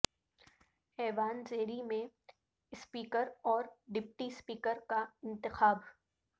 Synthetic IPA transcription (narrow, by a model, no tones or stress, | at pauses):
hɛːʋaːnzeːɾimẽ | ɪspiːkəɾɔːɾɖɪp̚ʈispiːkəɾkaɪ̃nt̪ɪxaːb